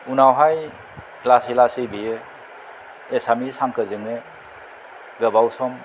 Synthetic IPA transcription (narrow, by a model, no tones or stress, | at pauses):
unawɦaj | klasilasebijɯ | esamisaŋkɯzɯŋɯ | ɡɯbawsɔm